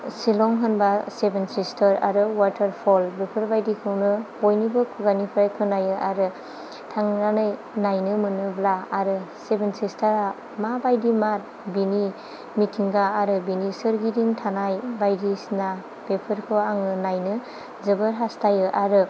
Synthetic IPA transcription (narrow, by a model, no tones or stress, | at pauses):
silɔŋɦɯnbasebensistʰəɾa̰ɾɯwatʰəɾpʰɔlɾɯpʰɯɾbajdikʰɯwnɯ | ojnibɯkʰuɡanipʰajkʰɯnajɯʔaɾɯ | tʰaŋnanɯj | najnɯmɯnɯblaːɾɯsebensistʰaɾa | mabajdimat̚ | bini | mitʰiŋɡaːɾɯbinisɯɾɡidiŋtʰanajbajdisna | pepʰɯɾkʰɯaŋɯnajnɯ | zɯbɯɾɦastʰajɯʔaɾɯ